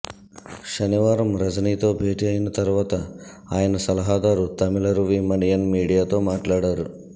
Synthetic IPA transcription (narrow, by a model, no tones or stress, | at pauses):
ɕɐniʋaːɾɐmɾɐd͡zniːt̪obʱeːʈiajint̪ɐɾʋɐt̪a | ajnsɐlɦaːd̪aɾut̪ɐmilɐɾuʋimɐɳjɐnmiɽijat̪omaːʈlaɽɐɾu